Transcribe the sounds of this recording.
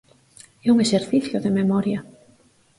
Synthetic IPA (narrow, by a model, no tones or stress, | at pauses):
ɛuŋeseɾθiθjoðememɔɾja